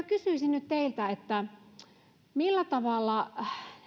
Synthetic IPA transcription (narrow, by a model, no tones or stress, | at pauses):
ækysyˑisinnyt̪t̪eilt̪æet̪ːæ | milːæt̪ɑʋɑˑlːɑ